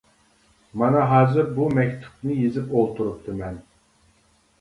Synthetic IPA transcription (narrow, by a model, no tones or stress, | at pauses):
mɑnɑɦɑːzɨɾbumɛkʲt̪ʰu̥pnɨjizɪpolˠt̪ʰuɾup̚t̪ʰɨmɛn